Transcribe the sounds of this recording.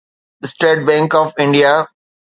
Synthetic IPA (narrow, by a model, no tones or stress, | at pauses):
əsʈeːʈ̚bɛ̃ːŋkɔːʋɪ̃ɳɖija